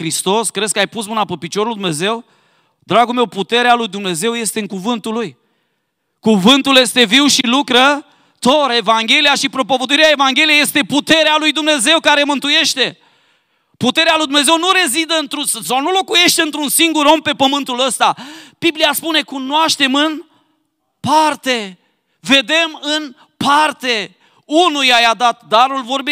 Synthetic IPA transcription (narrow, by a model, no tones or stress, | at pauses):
kɾist̪o̞skɾe̞d̪skəajpusmɨnapəpit͡ʃo̞ɾuld̪umne̞ze̞w | d̪ɾaɡulme̞wput̪e̞ɾealujd̪umne̞ze̞wje̞st̪e̞ɨŋkuvɨnt̪uluj | kuvɨnt̪ulje̞st̪e̞viwʃilukɾə | t̪o̞ɾe̞vaŋɡʲe̞lijaʃipɾo̞po̞vəd̪uiɾeae̞vaŋɡʲe̞lijeje̞st̪e̞put̪e̞ɾealujd̪umne̞ze̞wkaɾe̞mɨnt̪uje̞ʃt̪e̞ | put̪e̞ɾealujd̪umneze̞wnuɾe̞zid̪əɨnt̪ɾussawnulo̞kuje̞ʃt̪eɨnt̪ɾunsiŋɡuɾo̞mpe̞pəmɨnt̪uləst̪ab̥iblijaspune̞kunoaʃt̪e̞mɨn | part̪e̞ | ve̞d̪e̞mɨn | part̪e̞ | unujajad̪at̪d̪aɾulvo̞rbi